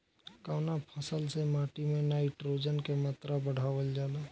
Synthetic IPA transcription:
kaːnapʰəsəlsemaːʈimẽnaːɪʈɾoːd͡ʒənkemaːt̪ɾabəɽ̤aːʋəld͡ʒaːlaː

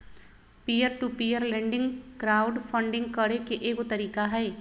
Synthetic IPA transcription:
piːəɾʈupijəɾlẽːɳɖɪ̃ŋɡkɾaːʊɖpʰə̃ɳɖɪ̃ŋɡ̚kəɾekeʔeːkot̪əɾiːkaɦɛː

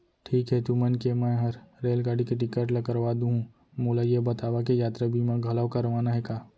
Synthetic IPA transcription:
ʈʰiːkɦɛt̪umɐnkemɛ̃ːɦɐɾɾeːlɡaːɽikeʈ̬ɪkːəʈlɐkəɾʋaːd̪ũɦũ | moːlajebɐt̪aːʋakejaːt̪ɾabʱimẽɡʱɐləʋkɐɾʋaːnaɦɛkaː

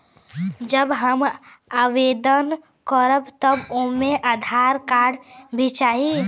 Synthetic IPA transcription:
d͡ʒəbɦəm | aʋed̪ən | kəɾəbt̪əbomeʔad̪ʱaɾkaɽbʱit͡ʃaːɦi

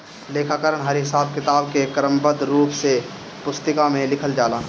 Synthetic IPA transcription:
leːkʰakəɾəɳɦɐɾɦɪsaːbkɪt̪aːbkekɾəmbəd̪ɾuːpse | pʊst̪əkamẽlɪkʰəld͡ʒaːlaː

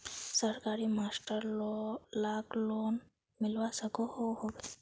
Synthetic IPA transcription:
səɾkaɾimasʈəɾllaklon | milwasəkɔhowhɔbe

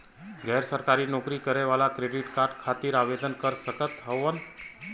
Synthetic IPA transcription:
ɡɛɾsəɾkaɾiːnɔkɾiːkəɾeʋalakɾeɖiʈkaɾɖkʰat̪iːɾaʋed̪ənkəɾsəkət̪ɦəʋən

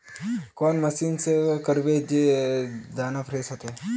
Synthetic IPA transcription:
koːnmɐsiːnsekəɾbed͡ʒe | d̪aːnapʰɾeːsɐt̪e

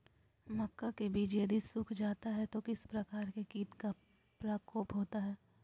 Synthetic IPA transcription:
mɐkːakebʱiːd͡ʒjəd̪ʱisʊkʰd͡ʒaːt̪aɦɛt̪okɪspɾɐkaːɾkekiːʈka | pɾaːkoːpɦoːt̪aɦɛː

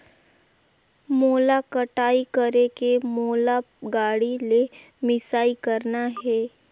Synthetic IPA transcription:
moːlakəʈaːikəɾekemoːla | ɡaːɽile | mɪsaːikəɾnaɦɛː

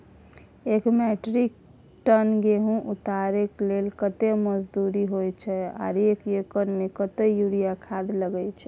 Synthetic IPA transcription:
ekmɛʈɾik̚ | ʈənɡeɦũʔut̪aɾeklelkət̪eməd͡ʒd̪uɾiɦojt͡ʃʰɛa̰ɾekekənmekət̪ejuɾijakʰad̪ləɡɛjt͡ʃʰɛ

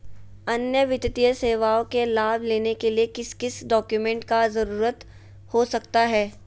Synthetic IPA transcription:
ɐnjəʋɪt̪t̪ijəseːʋaːõkelaːbʱleːnekeliekɪskɪsɖɔːkjumẽːɳʈkazɐɾuːɾət̪ | hosɐkt̪aɦɛː

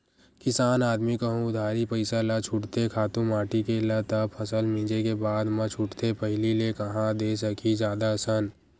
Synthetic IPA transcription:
kɪsaːnaːd̪mikəɦũʊd̪ʱaːɾipəɪsalat͡ʃʰʊʈt̪ekʰaːt̪ũmaːʈikelət̪əpʰəsəlmĩːd͡ʒekebaːd̪mə̃t͡ʃʰʊʈt̪epəɦɪlilekɐɦãd̪esəkʰid͡ʒjaːd̪asən

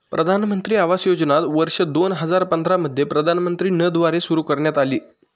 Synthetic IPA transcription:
pɾəd̪ʱanmənt̪ɾiːaʋasjod͡znat̪ʋəɾʂəd̪onɦəd͡zaɾpənd̪ʱɾaməd̪ʱːjepɾəd̪ʱanmənt̪ɾiːnəd̪ʋaɾesuɾuːkəɾɳjat̪aliː

